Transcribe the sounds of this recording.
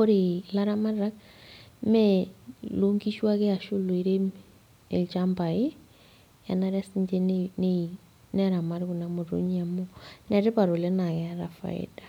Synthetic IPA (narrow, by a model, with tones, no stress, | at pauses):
o˦ɾe˨la˦ɾa˦ma˦rɾa˦k̚ | mɛ˦lo˦ŋɡi˦ʃwa˦ke˦a˨ʃu˦lo˨i˦ɾe˦m | ḛ˨lt͡ʃa˦mba˨e˦ | ja̰˨na˦ɾa˦si˦ɲd͡ʒe˦nne | nɛ˦ɾa˨ma˦ɾku˨na˨mo˨ɾo̰˦ɲa˨mo˦nɛ˨ɾe˦pa˨ɾo˨le˦na˨kɛɾa˨fa̰˨ɪ̰˦dḁ˨